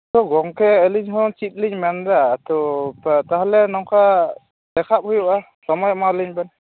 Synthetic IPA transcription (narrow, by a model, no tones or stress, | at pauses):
tɔɡɔŋkʰɛːliɲɦɔt͡ʃit̪̚liɲmandat̪ɔt̪aɦɛlɛnɔŋkʰa | d̥ɛkʰap̚hujuʔa | sɔmɔjɔmaliɲbɛn